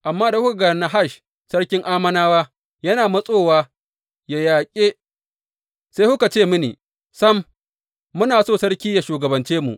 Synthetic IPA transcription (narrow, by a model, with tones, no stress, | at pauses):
ʔa˨mːaː˦da˨hʊ˦ka˨ɡɐ˨na˨ɦa˦˨ʃ | sɐ˦ɽkʲɪ˦ŋʔaː˦mɐ˦naː˦waː˦ | jɐ˦naː˨mɐ˦sʼoː˦˨waː˦ | jaː˨jaː˨kʲʼeː˦ | sa˦jhʊ˦ka˨t͡ʃeː˦˨mʊ˦nḭː˨ | sɐ˦mː | ʊ˦naː˨soː˦˨sɐ˦ɽkʲiː˦ja˨ʃuː˨ɡɐ˨bɐ˨nt͡ʃeː˦mṵ˨ʔ